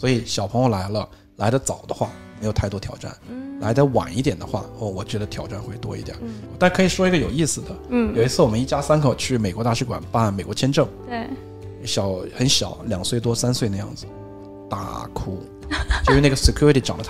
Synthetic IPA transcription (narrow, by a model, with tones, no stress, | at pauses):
swɔ˧˥i˨˩ɕjɑ˨˩ʊpʰɤ˧˥ŋjo˧la˧˥ɪlə˧ | la˧˥ɪlə˧t͡sɑ˨˩ʊd̪ə˦xwa̰˥˩me˧˥jo˨˩t̪ʰa˥˩ɪt̪ɔ˥t̪ʰjɑ˨˩ʊʈ͡ʂa̰˥˩nla˧˥ɪd̪ə˧wa̰˨˩ni˥˩t̪jɛ˨˩nd̪ə˦xwa̰˥˩ɔ˩wɔ˨˩t͡ɕɥɛ˧˥d̪ə˧t̪ʰjɑ˨˩ʊʈ͡ʂa˥˧nxwe˥˩ɪt̪wɔ̰˥ḭ˧˥t̪jə̰˨˩˦t̪kʰɤ˧˥i˨˩ʂwɔ˥i˧˥ɡə˧jo˨˩ʊi˥˩sɹ̩˩d̪ə˩˥˩jo˨˩ʊi˧˥t͡sʰɹ̩˥˩wɔ˨˩mə˦i˥˩t͡ɕja˥sa˥nkʰo˨˩ʊt͡ɕʰy˥˩me˨˩ɪkwɔ˧˥t̪a˥˧ʂɻ̩˥˩kwa̰˨˩npa˥˩˥nme˨˩kwɔ˧˥t͡ɕʰjɛ˥nʈ͡ʂɤ˥˩ŋ˥˩˧ | ɕjɑ˨˥ʊxə˧˥nɕjɑ˨˩˦ʊljɑ˨˩ŋswe˥˩ɪt̪wɔ˥sa˥nswe˥˧ɪna˥˧jɑ̰˥˩ŋd͡zɹ̩˩ | t̪a̰˥˩kʰu˥ | t͡ɕo˥˧ʂɻ̩˥˧e˥˩ɡə˩si˧˩kʰju˥ɻi˧t̪ʰi˧˩ʈ͡ʂɑ˨˩ŋlə˦